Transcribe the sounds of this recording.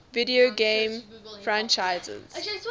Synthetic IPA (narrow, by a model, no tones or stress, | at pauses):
vidioɡẽːmfɹãnt͡ʃaɪzə̰z̥